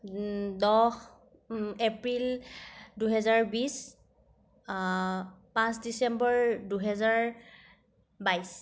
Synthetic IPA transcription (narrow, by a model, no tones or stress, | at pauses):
dɔx | epɹilduɦɛzaɹbis | pãsdisɛmbɔɹduɦɛzaɹ | bajs